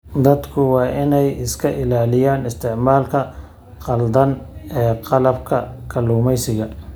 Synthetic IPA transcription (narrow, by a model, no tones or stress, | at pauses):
d̪ɐd̪kʰʊwɑːʔɪnɛjɪskʰɐʔɪlaːlɪjaːnɪst̪ʰɪʕmaːlkʰɐ | qɑld̪ɐnɛːqɑlɐbkʰɐ̰kʰɐluːmɛjsɪɣɐ